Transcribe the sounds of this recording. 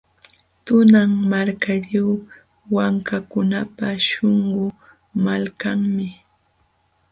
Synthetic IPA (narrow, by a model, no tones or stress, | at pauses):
t̪ʊnaŋmaɾkaʎaw | waŋkakʊnapaʃoɴɢʊ | malkaŋmɪ